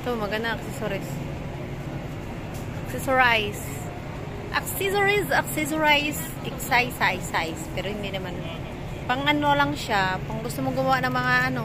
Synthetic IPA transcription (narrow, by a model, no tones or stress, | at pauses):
t̪omɐɡɐnaʔɐksɛsoɾɪs | ʔɐksɛsoɾajs | ʔɐksɛsoɹɪsɐksɛs̬oɹajs | ʔɛksajsajsajspɛɾohɪnd̪ɪnɐman | pɐŋɐnolaŋʃapɐŋɡʊst̪omoɡʊmɐwaʔnɐŋmɐŋaʔɐno̞